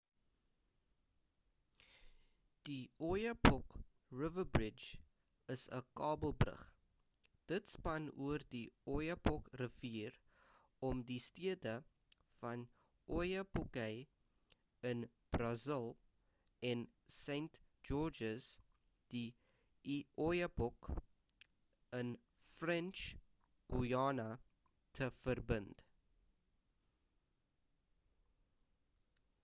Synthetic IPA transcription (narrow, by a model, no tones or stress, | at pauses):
d̥iʔɔjəpɔk | rəvəbrɪd͡ʒ | əsə̰kɑːbəlˠbrə̰χ | d̥ətspɐnuərdiɔjəpɔkrəviːr | ɔmdistiədə | fɐn | ʔɔjəpɔkɛj | ən | b̥rɑzəlˠ | ʔɛn | sejntd͡ʒɔd͡ʒəs | d̥i | iʔɔjəbɔk | ən | frɛnt͡ʃ | ɡ̥ujɑːna | tʰəfərbənd